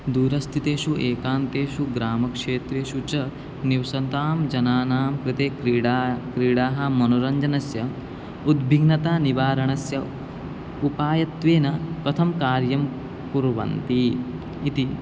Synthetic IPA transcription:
d̪uːɾɐst̪ʰit̪eːʃuʔeːkaːnt̪eːʃuɡɾaːmɐkʂeːt̪ɾeːʃut͡ʃɐ | niwsɐnt̪aːmd͡ʒɐnaːnaːmkɾɪt̪eːkɾiɽakɾiːɽaːɦɐ̆mɐnoɾɐɲd͡ʒɐnɐsjɐ | ud̪bʱiɡnɐt̪aːniʋaːɾɐɳɐsjɐ | upaːjɐt̪ʋeːnɐpɾɐt̪ʰɐmkaːɾjɐm | puɾʋɐ̰nt̪iː | t̪i

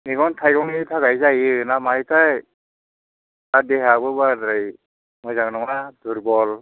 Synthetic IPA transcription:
niɡɔntʰajɡɔŋitʰaɡajzajɯnamajtʰaj | adeɦabɯbadɯj | mɔjzaŋnɔŋnaduɾbɔl

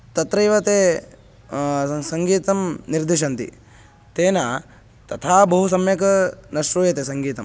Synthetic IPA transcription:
t̪ɐt̪ɾɐjʋɐt̪eː | sɐŋɡiːt̪ɐmniɾd̪iʃ̬ɐnt̪ḭ | t̪eːnaː | t̪ɐt̪ʰaːbɐɦus̬ɐmjɐkɐnɐʃɾoːjɐt̪esɐŋɡiːt̪ɐm

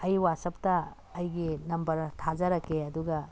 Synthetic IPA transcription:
ɐjwasɐp̚tɐː | jɡinɐmbɐɾtʰad͡ʒɐɾɐkːeɐduɡɐ

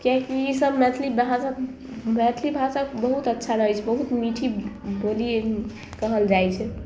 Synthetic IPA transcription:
kjaɦkiisəbmɛt̪ʰlibɦãsa | mɛt̪ʰlibʱãsakbəɦut̪ətːʃʰaɾəɦɛt͡ʃʰɛbəɦut̪miʈʰibolie | kəɦəld͡ʒajt͡ʃʰɛ

